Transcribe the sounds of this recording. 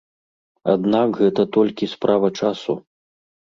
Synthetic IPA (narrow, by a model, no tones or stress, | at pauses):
a̰d̪nakɣɛt̪ɐt̪ɔlʲkʲispɾʔavɐt͡ʂasu